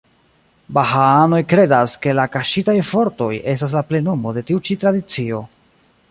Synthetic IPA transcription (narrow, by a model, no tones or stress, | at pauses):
bahaano̞jkɾe̞daske̞lakaʃitajfo̞ɾto̞je̞stas̬laple̞nomo̞de̞tiut͡ʃitɾadit͡sio̞